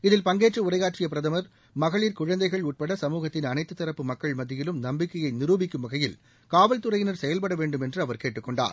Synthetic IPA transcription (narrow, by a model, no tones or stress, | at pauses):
ɪðɪlpɐŋɡeːʈrɯʊrɐɪɣaːʈrɪjɐpɪɾɐðɐmɐɾ | mɐɣɐɭiːɾkʊɻɐnd̪ɐɪɣɐɭuːʈ̚pɐɽɐsɐmuːɣɐt̪ːɪnɐnɐɪt̪ːɯt̪ːɐɾɐpːɯmɐkːɐɭmɐðːɪjɪlɯmnɐmbɪkːɐjɐɪnɪruːbɪkːɯmʋɐɣɐjɪl | kaːʋɐlt̪ɯrɐjɪnɐɾsɛjɐlpɐɽɐʋeːɳɖɯmɛndrɯɐʋɐɾkeːʈːɯkːɔɳɖa̰ːɾ